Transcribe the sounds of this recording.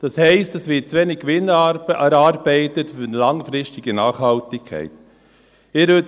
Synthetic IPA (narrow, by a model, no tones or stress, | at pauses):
d̥ɑshɛɪstɑsʋɪt̚t͡sʋɛnikʋɪnæɾɑːɾbɛɪtətfʏnəlɑŋfɾɪstɪɡ̥ənɑːχhɑltɪkʰɛ̰ɪt | ɪɾø